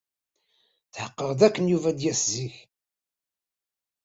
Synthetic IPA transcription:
θħəqːəʁðækːənjuvæd̪jæsziç

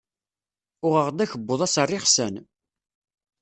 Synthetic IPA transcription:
ʊʁəʁd̪æçəbːoðˤæsərˤːɪχsæn

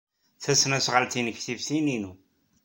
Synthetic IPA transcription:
θæsːnæsʁəlt̪inəçθivsininu

